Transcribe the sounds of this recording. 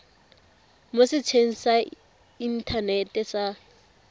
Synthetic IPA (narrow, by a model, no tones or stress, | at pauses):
mosɪt͡sʰeŋ̩sa | in̩tʰanetɛsa